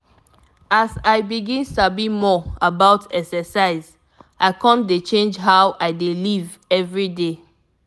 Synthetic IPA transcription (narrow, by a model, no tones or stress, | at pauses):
asaɪbiɡĩnstabimɔabaʊtʰɛksɛsaɪz | aɪkʰɔ̃mdet͡ʃẽnd͡ʒɦaʊʔaɪdeliv | ɛvɹide